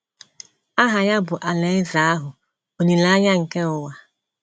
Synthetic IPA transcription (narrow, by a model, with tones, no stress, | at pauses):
a˦ɦa˨ja˦bʊ˨ʔa˨le˨˦ɪ˦za˨˦a˦ɦʊ˨ | o˨ni˨la˦ɲa˦ŋ̩˨ke˦ʊ˨wa˨